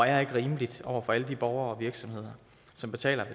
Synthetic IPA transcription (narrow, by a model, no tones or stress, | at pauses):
e̝ɡ̥əʁiːməlid̥ɒʊ̰ɐfɒ̽æləd̥ib̥ɒʊɐɒ̽ʋiɐɡ̥sɒ̽mhe̝ð̞̰ˠɐ | sɒ̽mb̥e̝t͡sʰɛ̰ːlɐʋe